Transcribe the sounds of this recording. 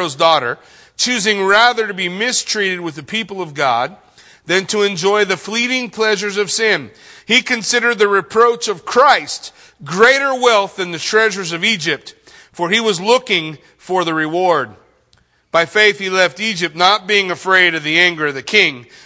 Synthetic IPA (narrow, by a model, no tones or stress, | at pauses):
oʊzdɔɾə˞ | t͡ʃʰʉzɪ̃ŋɹæðə˞ɾɨbimɪstʰɹ̥iɾɨd̚wɨðɨpʰipl̩ˠʌvɡɑd̪̚ | ðɨ̃ntʰɨɨ̃nd͡ʒɔɪðɨfliɾɪ̃ŋpʰl̥ɛʒə˞zʌv̥sɪ̃nikʰɨ̃nsɪɾə˞d̪̚ðɨɹɨpʰɹ̥oʊt͡ʃʌv̥kʰɹ̥aɪst | ɡɹeɪɾə˞wɛlˠθðɨ̃nðɨtʰɹ̥ɛʒə˞zʌvid͡ʒɪp̚t | fə˞iwʌzlʊkɪ̃ŋ | fə˞ðɨɹɨwɔɹd̚ | b̥aɪfeɪθhilɛftid͡ʒɨp̚tⁿnət̚b̥iɪ̃ŋɨfɹeɪɾʌvðiæ̃ŋɡə˞ʌvðɨkʰɪ̃ŋ